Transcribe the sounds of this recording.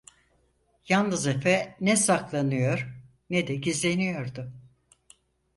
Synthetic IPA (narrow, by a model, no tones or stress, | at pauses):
jannɯzefɛnɛsaklˠanɯjo̞ɾ̥ | nɛd̪ɛɟizlʲe̞nijo̞ɾd̪ʊ